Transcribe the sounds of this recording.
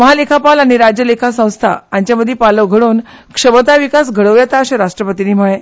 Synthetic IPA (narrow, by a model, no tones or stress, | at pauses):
məɦalekʰapalaɽ̃iɾad͡ʑjəlekʰasə̃w̃st̪ʰa̰aɲt͡ɕjaməd̪ʱjipaləɡʱəɽuːn | kʂəʋət̪aʋikas̬ɡʱəɽəʋjɛt̪aəɕaɾaʂʈɾəpət̪iniːm̤əɭe